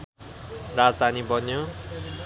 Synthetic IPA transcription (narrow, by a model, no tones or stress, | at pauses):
rad͡zd̪ʱanibʌnjo